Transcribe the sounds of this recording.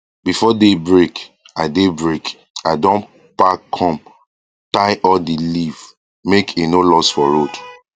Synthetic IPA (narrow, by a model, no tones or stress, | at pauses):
bifɔdebɹek | aɪdebɹek | aɪdõn | pakʰɔ̃m | taɪʔɔdiliv | mekʰenolɔsfɔɹod